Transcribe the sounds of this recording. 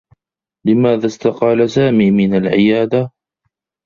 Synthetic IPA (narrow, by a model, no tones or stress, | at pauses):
lɪmaːðast̪aqɑːlasaːmiːmɪnalʕɪjaːd̪a